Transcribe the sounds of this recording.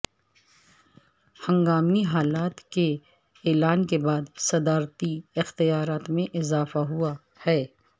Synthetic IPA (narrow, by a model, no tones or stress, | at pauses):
hɐ̃ŋɡaːmiɦaːlaːt̪ke | ɛːlaːnkebaːd̪sɐd̪aːɾt̪iɪxt̪ɪjaːɾaːt̪mẽʔɪzaːfaɦua | hɛː